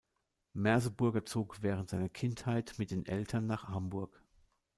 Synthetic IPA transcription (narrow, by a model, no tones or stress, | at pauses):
mɛɐzəbʊɐɡɐt͡soːkv̥ɛːʁəntz̥aɪnɐkʰɪnthaɪtmɪt̚d̥eːnʔɛltʰɐnːaːχhambʊɐk